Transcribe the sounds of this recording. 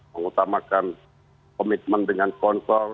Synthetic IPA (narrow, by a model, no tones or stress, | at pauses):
məŋut̪amakan | komit̪̚məndəŋankɔnsɔr